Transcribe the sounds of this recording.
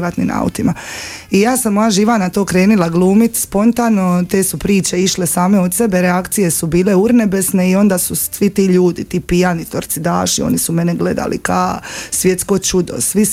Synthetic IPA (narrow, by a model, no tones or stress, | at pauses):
ʋat̪nḭmʔa̰ṵt̪imaijaːsamojaʒiʋanat̪o̞ːkɾe̞ːnilˠaɡlˠuːmit̪spo̞nt̪aːno̞t̪e̞ːsupɾiːt͡ɕe̞iʃle̞saːme̞od̪se̞beɾeakt̪sije̞subiːle̞uɾnebe̞sne̞io̞nd̪asusʋit̪iːʎuːd̪it̪iːpijanit̪oɾt̪sid̪a̰ːʃio̞̰nisume̞neɡle̞d̪a̰lḭkasʋje̞t̪skot͡ʃud̪o̰sʋi